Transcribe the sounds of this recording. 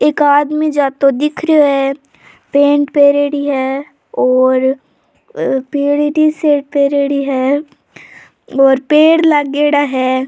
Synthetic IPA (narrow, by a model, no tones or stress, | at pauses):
eːkaːd̪mid͡ʒaːt̪od̪ɪkʰɾejoɦɛ | pẽːɳʈpeːɾeːɽiɦɛː | ɔːɾ | peːɽiʈiseːʈ̚peːɾeːɽiɦɛː | ɔːɾpeːɽlaɡeːɽaɦɛː